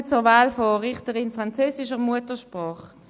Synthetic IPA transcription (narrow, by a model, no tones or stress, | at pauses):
t͡sʊvaːlfɔːʁɪχtəʁɪnfʁant͡søːsɪʃəʁmuətəʃpʁɔːχ